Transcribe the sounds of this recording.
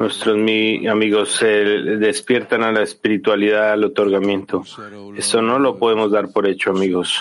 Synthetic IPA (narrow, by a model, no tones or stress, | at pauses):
nwe̞st̪ɾo̞zmiamiɣo̞seðe̞spje̞ɾt̪analaespiɾit̪waliðaðlo̞t̪o̞ɾɣamjẽ̞nt̪o̞ | e̞st̪o̞no̞lo̞poðe̞mo̞zðaɾpo̞ɾe̞t͡ʃo̞amiɣo̞s